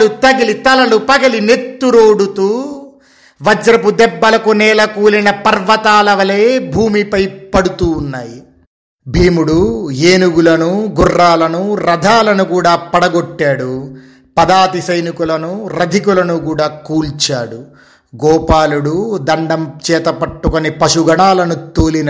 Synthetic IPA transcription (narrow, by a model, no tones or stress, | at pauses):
lut̪ɐɡilit̪ɐlɐlupɐɡɐline̞t̪ːuɾoːɽut̪uː | ʋɐd͡ʒɾɐpud̪ɛbːɐlɐkunɛːlɐkuːlinɐpɐɾʋɐt̪aːlɐʋɐleːbʱuːmipɐjpɐɽut̪uːnːaːji | bʱiːmuɽueːnuɡulɐnuɡurːaːlɐnuɾɐd̪ʱaːlɐnukuːɽaːpɐɽɐɡoʈːaːɽu | pɐd̪aːt̪isɐjnikulɐnuɾɐd̪ʱikulɐnukuːɽaːkuːlt͡ʃaːɽu | ɡɔːpaːluɽud̪ɐɳɖɐmt͡ʃɛːt̪ɐpɐʈːukonipɐʂuɡɐɳaːlɐnut̪oːlin